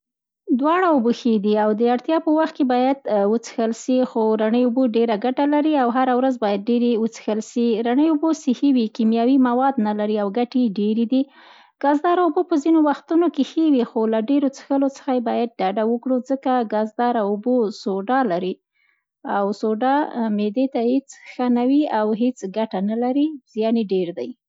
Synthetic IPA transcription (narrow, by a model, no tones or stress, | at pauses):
d̪wɑɽauboxed̪iawd̪əaɽt̪jɑpəwaxt̪̚kebɑjad̪wət͡sə̥xəlʃixoɾaɳəjʊboɖeɾaɡaʈalaɾiawɦaɾawɾazbɑjad̪̚ɖeɾewət͡sə̥xəlʃiɾaɳəjubosɪhiwikimjɑwimawɑd̪nalaɾiawɡaʈeɖeɾid̪i | ɡ̥ɑzd̪ɑɾaubopəzinowaxt̪unokexewixolaɖeɾot͡sə̥xəlot͡sə̥xajebɑjad̪̚ɖaɖawəkɽud͡zəkaɡɑzd̪ɑɾaʊbosoɖɑlaɾi | awsoɖɑmed̪et̪ahet͡sxanawiawɦet͡sɡaʈanalaɾiz̥jɑneɖeɾd̪aj